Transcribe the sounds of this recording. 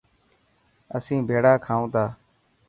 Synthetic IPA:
əsĩːbʱeːɽaːkʰaːũːt̪aː

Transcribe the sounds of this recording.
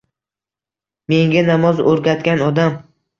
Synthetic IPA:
me̞ŋɡʲanamɒzoɾɡʲat̪kʲanɒd̪am

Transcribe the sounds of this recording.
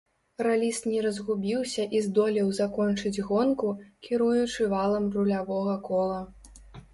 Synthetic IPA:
ralʲist̪nʲɛɾɐzɣubʲiwsʲɐʔizd̪ɔlʲɛwzakɔnt͡ʂɨd͡zʲɣɔnkukʲiɾujut͡ʂɨvalˠɐmrulʲavɔɣɐkɔlˠɐ

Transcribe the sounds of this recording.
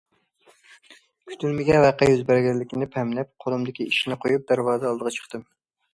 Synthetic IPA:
kʲʰy̥t̪ʰylmɪɡʲɛvæqɑjyzbæɾɡʲɛlːɪkʲinɪpʰɛmlɛp̚qʰolɨmd̪ɪkʲiiʃnɪqʰojup̚d̪æɾwɑːzɨɑlˠd̪əʁɑt͡ʃʰə̥χt̪ɨm

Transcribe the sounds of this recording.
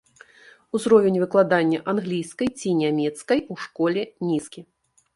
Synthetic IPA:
uzɾɔvʲɛnʲvɨklˠad̪anʲːɐʔanɣlʲijskɐjt͡sʲinʲamʲɛt̪skɐjuʂkɔlʲɛnʲiskʲi

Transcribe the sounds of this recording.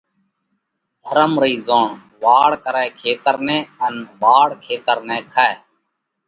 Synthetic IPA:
d̪ʱəɾəmɾəiːzõːɳ | ʋaːɽkəɾɛːkʰeːt̪əɾnɛ̃ːənʋaːɽkʰeːt̪əɾnɛ̃ːkʰaɛː

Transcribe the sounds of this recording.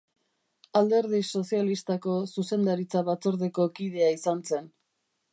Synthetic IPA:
ald̪e̞ɾð̞iso̞sialist̪ako̞suse̞nd̪aɾit͡saβat͡so̞ɾðeko̞kið̞e̞aisanse̞n

